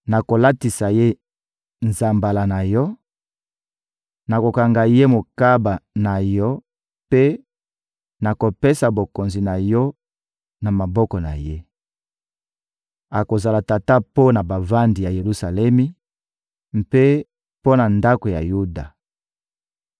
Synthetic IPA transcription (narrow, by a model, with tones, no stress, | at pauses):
na˨ko˨la˦ti˨sa˨je˦ | nza˨mba˨la˨na˨jɔ˦ | na˨ko˨ka˨ŋɡa˨je˦mo˨ka˦ba˨na˨jɔ˦ | pe˦ | na˨ko˨pe˦sa˨bo˨ko˨nzi˨na˨jɔ˦ | na˨ma˨bɔ˦kɔ˨na̰˨je˦ | a˨ko˨za˨la˨ta˨ta˦po˦na˨ba˨va˦ndi˨ja˨je˨lu˨sa˨lɛ˦mi˦ | mpe˦ | po˦na˨nda˦ko˨ja̰˨ju˦da˨